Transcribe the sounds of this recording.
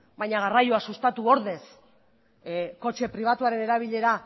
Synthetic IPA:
bajɲaɣ̞arajoasust̪at̪uo̞ɾðe̞s | ko̞t͡ʃe̞pɾiβ̞at̪uaɾe̞ne̞ɾaβ̞iʎe̞ɾa

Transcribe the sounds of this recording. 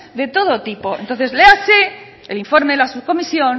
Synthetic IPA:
ðe̞t̪oð̞ot̪ipo̞ent̪onθe̞zlease | eliɱfo̞ɾmeelasuβko̞misjon

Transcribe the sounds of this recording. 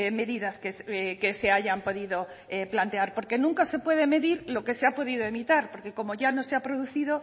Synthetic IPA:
me̞ðiðaskeskese̞aʝampo̞ðiðo̞ | eplant̪e̞aɾpo̞ɾke̞nũŋkase̞pweð̞e̞me̞ðiɾlo̞ke̞seapo̞ðiðo̞e̞mit̪aɾpo̞ɾke̞ko̞mo̞ʝano̞seapɾo̞ð̞uθið̞o̞

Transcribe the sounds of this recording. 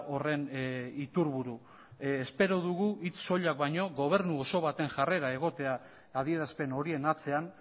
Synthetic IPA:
o̞re̞nit̪uɾβuɾu | espe̞ɾoð̞uɣ̞uit͡sso̞ʎak̚bajɲo̞ɣo̞β̞e̞ɾnuoso̞β̞at̪e̞ŋʝare̞ɾae̞ɣ̞o̞t̪e̞aː | ðie̞ɾaspe̞no̞ɾie̞nat͡se̞an

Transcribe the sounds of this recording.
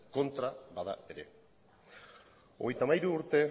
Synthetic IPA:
ko̞nt̪ɾabaða̰e̞ɾe̞̰ | oɣ̞e̞jt̪amajɾuːɾt̪e̞

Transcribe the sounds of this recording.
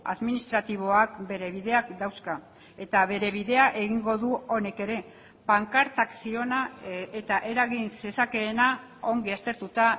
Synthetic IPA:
a̰ðminist̪ɾat̪iβ̞o̞ak̚be̞ɾe̞βið̞e̞akd̪awska | e̞t̪aβe̞ɾe̞β̞iðe̞aʔe̞ɣiŋɡo̞ðuo̞ne̞ke̞ɾe̞ | paŋkaɾt̪aksio̞nae̞t̪aʔe̞ɾaɣinse̞sake̞ːna | oŋɡiast̪e̞ɾt̪ut̪a

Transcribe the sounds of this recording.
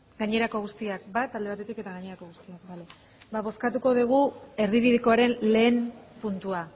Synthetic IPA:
ɡaɲe̞ɾako̞ɣust̪iakbat̪ald̪e̞βat̪et̪ike̞t̪aɣaɲe̞ɾako̞ɣust̪iak̚bale | baβ̞o̞skat̪uko̞ð̞iɣ̞ue̞ɾðiβiðiko̞aɾe̞nle̞ːmpunt̪ua

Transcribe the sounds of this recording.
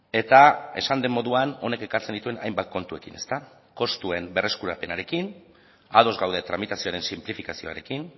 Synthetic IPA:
e̞t̪ae̞̰sand̪e̞mːo̞ðuano̞ne̞ke̞kaɾt͡send̪it̪ue̞nʔa̰jmbat̪̚ko̞nt̪ue̞kine̞st̪a | ko̞st̪ue̞mbe̞re̞skuɾape̞naɾe̞kin | að̞o̞zɣawð̞et̪ɾamit̪asioaɾe̞nsimplifikasio̞̰a̰ɾe̞kin

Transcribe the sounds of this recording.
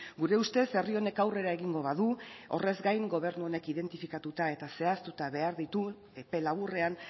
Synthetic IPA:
ɡuɾe̞ust̪e̞se̞rio̞ne̞kawre̞ɾae̞ɣiŋɡo̞βaðuo̞̰re̞zɡajŋɡo̞β̞e̞ɾnuo̞ne̞kiðe̞nt̪ifikat̪ut̪ae̞t̪ase̞ast̪ut̪aβe̞aɾðit̪u | e̞pe̞laβure̞an

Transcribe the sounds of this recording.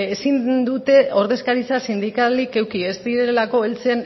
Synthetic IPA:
esind̪ut̪e̞o̞ɾðe̞skaɾisasind̪ikalike̞wkie̞zd̪iɾe̞elako̞elt͡sen

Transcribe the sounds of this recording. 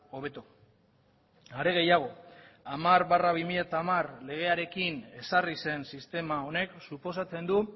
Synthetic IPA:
o̞β̞e̞t̪o | aɾe̞ɣ̞e̞jaɣ̞o̞amaɾβaraβimiʎat̪amarle̞ɣ̞e̞aɾe̞kine̞sarise̞nsist̪e̞mao̞ne̞ksupo̞sat͡se̞nd̪u

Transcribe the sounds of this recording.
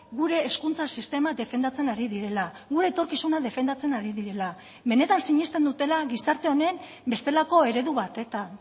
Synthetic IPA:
ɣuɾe̞ːskunt͡sasist̪e̞mad̪e̞fe̞nd̪at͡se̞naɾiðiɾe̞la | ɣuɾe̞ːt̪o̞ɾkisunaðe̞fe̞nd̪at͡se̞naɾiðiɾe̞la | βe̞ne̞t̪ansiɲest̪e̞nd̪ut̪e̞laɣisaɾt̪e̞o̞ne̞m | be̞st̪e̞lako̞e̞ɾe̞ðuβat̪e̞t̪a

